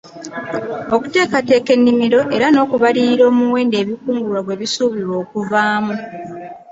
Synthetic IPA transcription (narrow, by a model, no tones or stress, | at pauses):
o̞ku̥te̞ːkate̞ːke̞nːimiɾo̞ʔe̞ɾano̞ːkuβaliɾiɾo̞ːmuwe̞ːnde̞ːβikuːŋɡulwaɡwe̞βisuːβiɾwo̞ːkuvaːmu